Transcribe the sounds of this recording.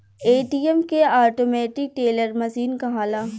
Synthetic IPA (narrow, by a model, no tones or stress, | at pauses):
eːʈiːɛmkeaːʈoːmɛːʈɪk̚ʈeːləɾmɐsiːnkaɦaːlaː